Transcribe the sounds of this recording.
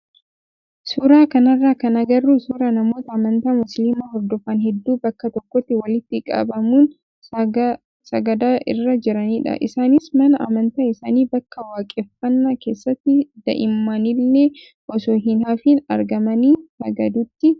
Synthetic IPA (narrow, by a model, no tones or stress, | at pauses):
suːɾaːkɐnɐrːaːkɐnɐɡɐrːuːsuːɾaːnɐmo̞ːt̪ɐːmɐnt̪aːmʊslimaːɦɔɾd̪ɔfɐnɦɛd̪ːuːbɐkːɐt̪ɔkːɔt̪ːɪwɐlɪt̪ːɪkʼa̰ːbɐmuːn | sɐɡɐd̪aːʔɪ̰rːɐd͡ʒɪɾɐniːᶑɐ̰ʔɪ̰saːnɪsmɐnɐʔɐ̰mɐnt̪aːɪsaːniːbɐkːɐwaːkʼeːfːɐnːaːke̞ːsːɐt̪ːɪd̪ɐ̰ʔɪmːanɪlːe | ʔɔsoːɦɪnaːfiːnɐ̰ɾɡɐmɐniːsɐ̰ɡɐd̪uːt̪ːɪ